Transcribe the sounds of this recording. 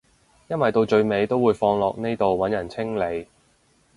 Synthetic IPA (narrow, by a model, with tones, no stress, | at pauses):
jɐ˥nwɐ˨jt̪o˧wt͡ʃɵ˧ɥme˨˧jt̪o˥wuː˨˧jfɔː˧ŋlɔː˨k̚ne˥jt̪o˨wwɐ˨˥njɐ˨˩nt͡sʰɪ˥ŋle˨˧j